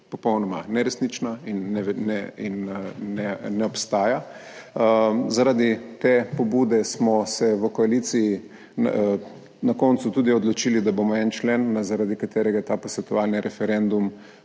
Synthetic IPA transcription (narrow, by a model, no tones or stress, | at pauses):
pɔpɔwnɔma̰nɛɾɛsnit͡ʃnainːɛnɛinːɛnɛɔpst̪aːja | zaɾad̪it̪epɔbud̪ɛsmɔsɛʋəkɔalit̪siji | nakɔnt̪sut̪uːd̪iɔd̪lɔt͡ʃiːlid̪abomɔɛnt͡ʃlɛnːazaɾad̪ikat̪eːɾɛɡat̪aːposʋɛt̪ɔʋalniɾʔɛfɛɾɛnd̪um